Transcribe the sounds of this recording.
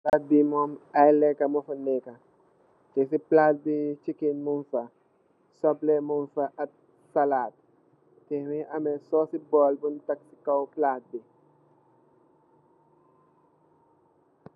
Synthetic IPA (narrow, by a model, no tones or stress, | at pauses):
lat̚bimɔmajlɛkɐmɔfɐnːɛkɐ | tɛsiplaːt̚bit͡ʃikinmunfɐ | sɔplɛmunfɐʔɐt̚ | sɐlaːt̚ | tɛmiʔɐmɛsɔːsibɔːlbuntɐksi̥kɐwplaːt̚bi